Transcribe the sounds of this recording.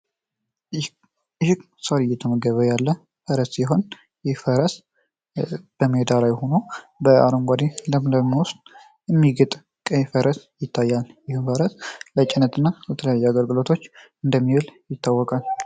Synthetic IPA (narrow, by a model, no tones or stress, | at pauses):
hɪk | səlɨjːɛt̪ʰəməɡəβəjalːə | fəɾəsjɪɦo̞n | jɪhfəɾəs | b̥əmːed̪alajho̞no̞bəa̰ɾomɡʷad̪id̪əmləmːiwʊst̪ʼ | ɨmːiɡət̪ʼ | kʼəjfəɾəsjɪt̪ʰːajːaljɪhɨmfəɾəslət͡ʃʼɪnːət̪ɨnːabət̪ʰələjajːɛaɡəlɡɨlo̞t̪ʰo̞t͡ʃː | ɨnd̪əmːiwɨljɪt̪ːawːɔkʼal